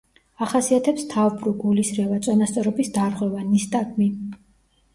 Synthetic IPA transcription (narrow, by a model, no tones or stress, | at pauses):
aχasiat̪ʰɛpst̪ʰavbɾuɡulisɾɛvat̪sʼɔnast̪sʼɔɾɔbisd̪aɾʁwɛvanist̪ʼaɡʰmi